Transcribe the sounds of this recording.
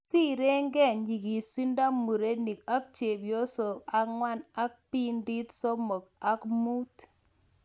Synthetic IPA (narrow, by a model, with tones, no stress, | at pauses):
si˦ɾe˦ŋɡɛ˦˨ɲi˨ki˨si˦nda˦mu˨ɾe˦ni˨ka˦k̚t͡ʃe˨bjo˦so˨a˨ŋwa˦na˦k̚pi˦ndi˦tsɔ˦mɔ˨ka˦kmu˦t